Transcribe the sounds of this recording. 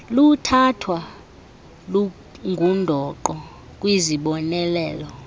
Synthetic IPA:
lutʰatʰwa | lu | ŋɡʱundʱɔǃɔ | kʼwiziɓɔnɛlɛːlɔ

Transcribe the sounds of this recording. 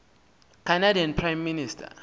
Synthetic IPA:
kʰanadianpʰrajmːinistʰa̰

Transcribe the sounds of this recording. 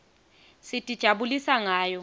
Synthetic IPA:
sɪtʼid̥ʒ̥ʱaɓulisaŋaːjɔ

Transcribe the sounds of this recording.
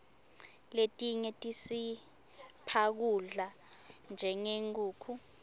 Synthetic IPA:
letʼiɲɛtʼisi | pʰak̬uɮa | nd͡ʒʱɛŋeŋuːkʰu

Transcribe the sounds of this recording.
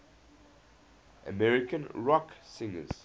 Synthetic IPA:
ʔə̰mɛɹɪkə̃nɹɔksɪ̃ŋə̰z̥

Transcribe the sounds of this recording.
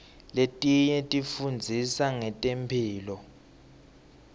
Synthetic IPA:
letʼiɲɛtʼifund͡zʱisaŋɛtʼempʰiːlɔ

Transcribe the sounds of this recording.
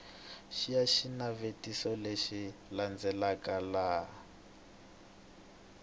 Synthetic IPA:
ʃijaʃinavetisɔleʃiland͡zɛlakala

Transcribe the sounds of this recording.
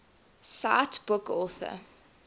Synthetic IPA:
saːtb̥ʊkɔˑθə̰

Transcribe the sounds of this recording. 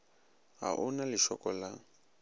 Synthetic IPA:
ɦa̰ʔʊnalɪʃɔkɔla

